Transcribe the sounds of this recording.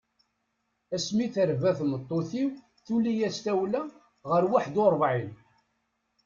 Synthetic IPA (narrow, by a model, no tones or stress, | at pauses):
æsmiθəɾvæθnət̪ˤːoθiw | θulijæst̪æwlæ | ʁəɾwaħd̪oɾˤvʕin